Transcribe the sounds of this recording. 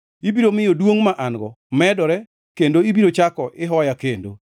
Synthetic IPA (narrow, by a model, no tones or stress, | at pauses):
ibiɾomɪjodwoŋmaʔanɡɔ̰ | mɛdɔɾɛ | kendoibiɾot͡ʃakɔʔɪɦɔjakendo̰